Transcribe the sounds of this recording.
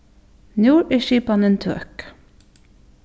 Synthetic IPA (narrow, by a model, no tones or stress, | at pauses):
njuːɹiːʃiːpɑnənt̪ʰø̰k